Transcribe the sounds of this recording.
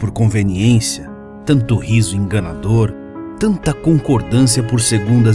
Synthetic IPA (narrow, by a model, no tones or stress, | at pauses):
poɾkõveniẽsjɐ | t̪ɐ̃nt̪ʊhizʊẽŋɡɐnad̪oɾ | t̪ɐ̃nt̪ɐkõŋkoɾd̪ɐ̃s̬iɐpoɾseɡũd̪ɐ